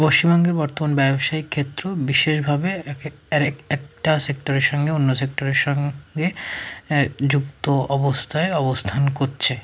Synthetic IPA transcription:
poʃt͡ɕimbɔŋɡeɾbɔɾt̪omanbɛbʃaikʰːet̪ːɾobiʃeʃbʱabe | ɛk̚ʈasek̚ʈoɾeɾʃɔŋɡeonːosek̚ʈoɾeɾʃɔŋɡe | d͡ʑukt̪oɔbost̪ʰaeɔbost̪ʰankoɾt͡ɕʰe

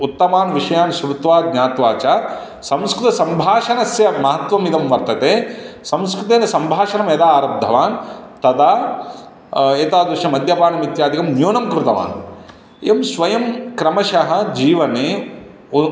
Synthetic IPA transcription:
ut̪ːɐmaːnʋiʂɐjaːnsɾut̪ʋaːdɲaːt̪ʋaːt͡ʃaː | sɐ̃mskɾut̪ɐsɐmbʱaːʃɐnɐsjɐmɐɦɐt̪ʋɐmid̪ɐmʋɐɾt̪ɐt̪eː | sɐmskɾut̪eːnɐsɐmbʱaːʃɐnɐmjɐd̪aːɾɐb̚d̪ʱɐʋaːnt̪ɐd̪aː | eːt̪aːd̪ʋiʃɐmɐd̪jɐpaːnɐmit̪jaːd̪ikɐmnjoːnɐmkɾut̪ɐʋa̰ːn | eːmsʋɐjɐmkɾɐmɐʃɐɦɐ̆d͡ʒiːʋɐneː

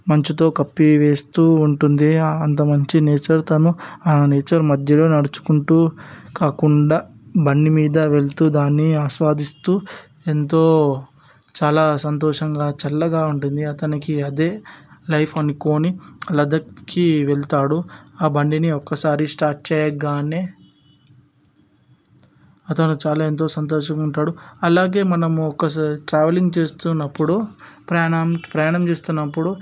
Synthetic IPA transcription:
mɐɲt͡ʃit̪̬o̞ːkɐpːiʋe̞ːst̪uːuɳʈund̪iɐnt̪̬ɐmɐɲt͡ʃineːt͡ʃɐɾt̪ɐnuaːneːt͡ʃɐɾmɐd̪ʱjɐlo̞ːnɐɽut͡ʃu̥kuɳʈuːkaːkuɳɖaː | bɐɳɖimiːd̪ɐʋe̞ɭt̪uːd̪aːnːiaːʃʋaːd̪ist̪uː | e̞nt̪̬o̞ː | t͡ʃaːlaːsɐnt̪ɔːʂɐŋɡaːt͡ʃɐlːɐɡaːuɳʈund̪iɐt̪ɐnikiɐd̪e̞ːlɐjpʰɐniko̞ːnilɐd̪ɐkːiʋelt̪aːɽuaːbɐɳɖiniɔkːɐsaːɾisʈaːɾʈ̚t͡ʃɛːjɐɡaːneː | ɐt̪ɐnut͡ʃaːlaːent̪̬o̞ːsɐnt̪̬ɔːʂɐŋuɳʈaːɽuɐlaːɡe̞ːmɐnɐmuɔkːɐʈɾaːʋɐliŋɡt͡ʃe̞ːst̪unːɐpːuɽupɾɐampɾɐjaːɳɐmt͡ʃe̞ːst̪unːɐpːuɽu

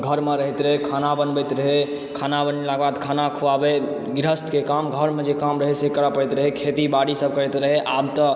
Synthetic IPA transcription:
ɡʱəɾmeɾəɦɛt̪ɾəɦekʰanabənbət̪ɾəɦe | kʰanabənelaɡbad̪kʰanakʰuabe | ɡɾəst̪kekamɡʱəɾmed͡ʒekamɾəɦesekəɾəpəɽɛt̪ɾəɦekʰet̪ibaɽisəb̚kəɾɛt̪ɾəɦeʔabt̪ə

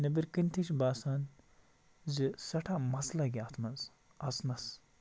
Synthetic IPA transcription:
nɐbiɾkinʲt̪ʰiʃbaːsaːn | zɨsɐʈʰamɐslɐɡʲiat̪ʰmɐz | ɐsnɐs

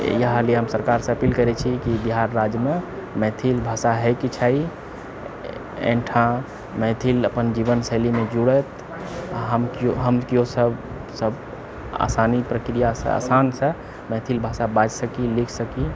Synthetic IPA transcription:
jəɦlieɦəmsəɾkaɾsẽəpilkəɾɛt͡ʃʰikibiɦaɾːad͡ʒjmemɛt̪ʰilbʱasaɦɛjkit͡ʃʰai | ḛ̃ʈʰã | mɛ̃t̪ʰiləpənd͡ʒibənsəlimed͡ʒuɽət̪ | ɦəmkoɦəmkijosəb | səb | a̰sanipɾəkɾijasə̰a̰sansə | mɛt̪ʰilbʱasabat͡ʃsəkilikʰsəki

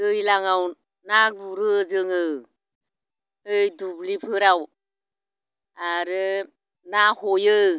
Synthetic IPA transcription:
ɯjlaŋaw | nabuɾɯzɯŋə | əjdublipʰɯɾaw | aɾɯ | nahojə

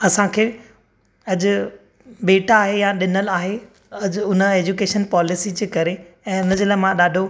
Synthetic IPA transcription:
ɐsãkʰeː | ɐʄʊ | ɓeːʈaːɦejaɗɪnəlaːɦe | ɐʄʊʊnə̆eːd͡ʑukeːʃənpɔːlɪsit͡ɕeːkɐɾeɛ̃ːʊnəd͡ʑoləɦmãɗaːɖʱo

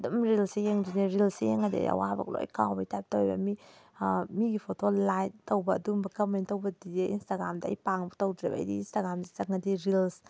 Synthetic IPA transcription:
dumɾilsejeŋd͡ʒineɾilsejeŋadia̰ja̰wabɐ̰k̚lo̰jkawbɐjtajp̚tawjbɐ̰mi | miɡipʰotolajt̚tɐwbɐːdumbɐkɐmentɐwbɐdideʔinstaɡɾamdaɐ̰jpaŋbɐtowdɾḛb̰ːjdiinstaɡɾamzizaŋadiɾils

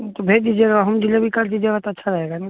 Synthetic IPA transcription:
t̪obʱedid͡ʒeɡaɦəmd͡ʒilebʱikɐɾt͡ʃid͡ʒeɡat̪ətːʃʰaɾəɦeɡana

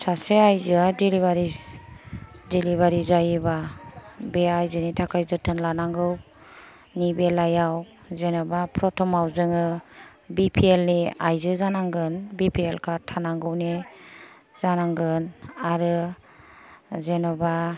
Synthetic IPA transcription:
saseajzɯadiliβaɾi | diliβaɾizajba | beajzɯnitʰakʰajzɯtʰɯnlanaŋɡɯw | nibelajaw | zenɔbapʰɾɔtʰɔmawzɯŋɯ | bipʰielniajzɯzanaŋɡɯnbipʰielkʰatʰanaŋɡɯwne | zanaŋɡɯnaɾɯ | zenɔba

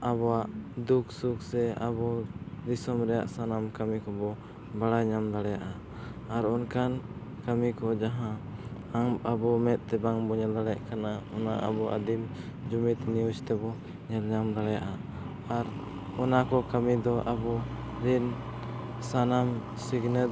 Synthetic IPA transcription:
aβɔwaʔd̪uksuk̚sɛa̰bɔɾisɔmɾɛja̰ʔsanamkamikɔbɔ | baɽajɲamd̪aɽɛjaʔaː | ɾɔnkan | kamikɔd͡ʒaɦã | aŋabɔmɛt̪̚ˀt̪ɛbaŋbɔɲɛld̪aɽɛja̰ʔkanaɔna̰ʔa̰bɔʔa̰d̪imd͡ʒumit̪niust̪ɛbɔ | ɲɛlɲamd̪aɽɛjaʔa | aɾ | ɔnakɔkamid̪ɔʔabɔ | ɾin | sanam | siɡnɛ

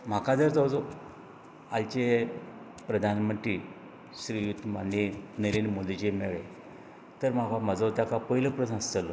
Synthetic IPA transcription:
m̤akad͡zəɾt͡sawd͡zo | alt͡ɕe | pɾəd̪ʱanmənt̪ɾiː | ɕɾijut̪ːmanjenəɾeɳmod̪ʱit͡ɕemeɭe | t̪əɾm̤akaməd͡zat̪jakapəɦiləpɾəsãst͡səlo

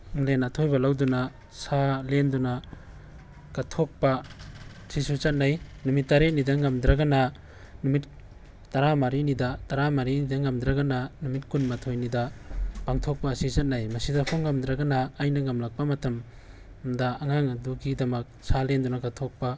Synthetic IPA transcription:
lenatʰojbɐlawduna | salendunɐ | ɡ̥atʰok̚pa | sisut͡ʃɐt̚najnumitːaɾet̚nidaŋamd̪ɾaɡana | numit | taɾamaɾinidɐtaɾamaɾinidaŋamdɾaɡananumitkunmatʰojnidɐpaŋtʰok̚pasit͡ʃɐt̚najmɐsidakʰoŋːamd̪ɾaɡanɐːjnɐŋamlak̚pamɐtɐm | dɐːŋaŋɐduɡidɐmɐk̚salendunɐɡatʰok̚pa

